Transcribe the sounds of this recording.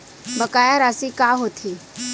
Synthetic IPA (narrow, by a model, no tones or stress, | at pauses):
məkajaɾasikaɦot̪ʰiː